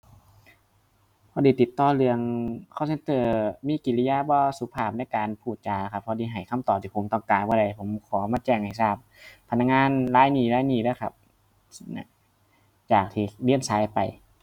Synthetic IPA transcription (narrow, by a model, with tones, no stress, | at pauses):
pʰɔː˧˥diː˧˦t̪i˨˩t̪ːɔː˧˩lɯ˧əŋkʰɔ˧˥˨se˧˦nt̪ɤː˧˩miː˧˥˨ki˨li˧jaː˧˨bɔː˧su˧˦pʰaː˧˩p̚na˧˥˨jkaː˨npʰuː˧˩t̪̚t͡ɕaː˨˩la˧˩kʰa˧pʰːɔː˧diː˧˦ɦa˨˩jkʰa˧˥˨mt̪ɔː˨˩p̚t̪i˧pʰo˨˦mt̪ɔ˧˩ŋkaː˨˧nbɔː˧˩da˧˩jpʰo˨˩˦mkʰɔː˨˦maː˧t͡ɕɛː˧˩ŋha˨˩jsaː˧˥˩p̚ʰːa˧nːa˧˩ŋaː˧˥˨nlaː˧˥˨jniː˧˩laː˧˥˨jniː˧˩lɯ˧˨kʰa˧˩p̚ | na̰˧ | t͡ɕaː˨˩k̚t̪ʰiː˧˩li˧˥˨ənsaː˨˧˥jpa˨˩j